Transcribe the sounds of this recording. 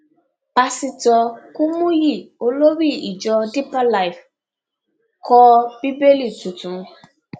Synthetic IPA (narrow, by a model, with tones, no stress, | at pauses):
pa˧si˧tɔ˧ku˦mũ˦ji˦˨o˦lo˦ɾi˦˨i˨d͡ʒɔ˧di˦pa˦la˨jf | kʰɔ˦b̥i˦be˦li˦˨tu˨tũ˨˦